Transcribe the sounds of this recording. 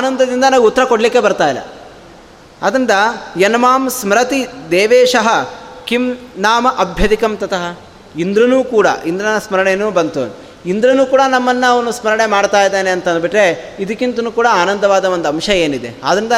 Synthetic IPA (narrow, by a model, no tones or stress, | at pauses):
aːnɐnd̪ɐd̪ind̪ɐnaːɡut̪ːɐɾɐkoɽɐlikːe̞bɐɾt̪aːjilːɐ̰ | ad̪ɾind̪ɐjɐnɐmaːmsmɾɐt̪id̪eːʋeːʂɐɦɐkimnaːmɐʔɐbʱjɐd̪ikɐmt̪ɐt̪ɐɦɐ | ind̪ɾɐnuːkuːɽɐ̰ʔind̪ɾɐnɐsmɐɾɐɳenuːbɐnt̪ṵ | ind̪ɾɐnuːkuːɽɐnɐmːɐnːɐɐʋɐnusmɐɾɐɳe̞maːɽt̪aːjd̪eːneɐnt̪ɐnd̪biʈɾeid̪ɐkːint̪ɐnuːkuːɽɐaːnɐnd̪ʱɐʋaːd̪ɐʋond̪uɐmʃɐeːnid̪e̞̰a̰ːd̪ɾind̪ɐ